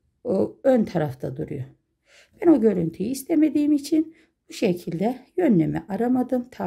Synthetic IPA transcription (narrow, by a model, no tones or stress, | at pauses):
oønt̪ʰaɾaft̪ʰad̪uɾṵjo | b̥æno̞ɟø̞ɾynt̪ʰyjiːst̪ʰɛmed̪iːimit͡ʃʰin | b̥uʃecʰilʲd̪ɛjø̞nːemɛʔaɾamad̪ɯmt̪ʰa